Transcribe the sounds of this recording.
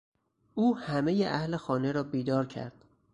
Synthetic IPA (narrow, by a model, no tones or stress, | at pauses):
ʔuːhæmejeʔæhlexɒːne̞ɾɒːbiːd̪ɒːɾcʰæ̰ɾd̪̥